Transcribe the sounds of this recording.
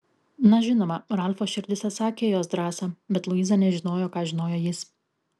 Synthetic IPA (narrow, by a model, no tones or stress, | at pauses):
nɐʒʲɪnoːmɐɾɐlʲfoːʃʲɪɾʲd̪ʲɪsʲɛsɑːkʲeːjoːsd̪ɾɑːsɐbʲɛt̪lˠʊiːzɐnʲɛʒʲɪnoːjoːkɑːʒʲɪnoːjoːjɪs